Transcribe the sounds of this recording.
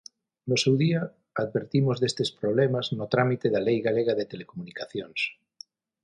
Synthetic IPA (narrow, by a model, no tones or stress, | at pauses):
nosewðia | aðβeɾt̪imozðest̪espɾoβ̞lemaznot̪ɾamit̪eðalejɣaleɣ̞aðet̪elekomunikaθjoŋs